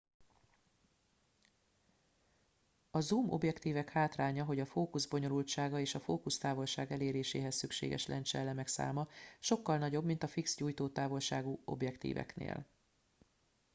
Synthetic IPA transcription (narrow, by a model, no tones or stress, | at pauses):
ɒzumʔo̞bjɛkt̪iːvɛkhaːt̪raːɲɒɦo̞ɟɒfoːkuzbo̞ɲo̞lult̪t͡ʃaːɡɒeːʃɒfoːkust̪aːvo̞lʃaːɡɛleːɾeːʃḛːɦɛsːykʃḛːɡɛ̰ʃlʔɛ̰nt͡ʃɛ̰lːɛmɛksa̰ːmɒʃo̞kːɒlnɒɟo̞bmint̪ɒfiksɟuːjt̪oːt̪aːvo̞lʃaːɡuo̞̰bjɛkt̪ḭːvɛ̰knḛːl